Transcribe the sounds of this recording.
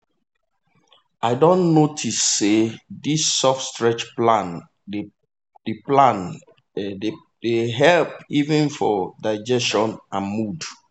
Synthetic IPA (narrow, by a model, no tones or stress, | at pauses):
ʔaɪdõnːotʰisːedisːɔfstɹɛt͡ʃplãn | d | d̥eplãn | de | deɦɛlpivɛ̃nfɔdaɪd͡ʒɛstɔ̃nãnmud